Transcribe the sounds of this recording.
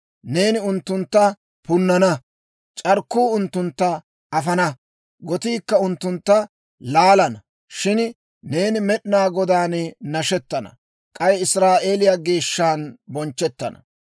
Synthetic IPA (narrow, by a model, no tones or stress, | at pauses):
ne̞ːnɪʊnt̪ːʊnt̪ːɐ | pʊnːɐnɐ | t͡ʃʼɐɾkːuːʊnt̪ːʊnt̪ːɐ | ɐfɐnɐ | ɡɔt̪iːkːɐʊnt̪ːʊnt̪ːɐ | laːlɐnɐ | ʃɪn | ne̞ːnɪmɛɗnaːɡɔd̪aːnnɐʃɛt̪ːɐnɐ̰ | kʼɐjɪsɾaːʔe̞ːlɪjaɡeːʃːaːnbɔnt͡ʃːɛt̪ːɐ̰nɐ̥̰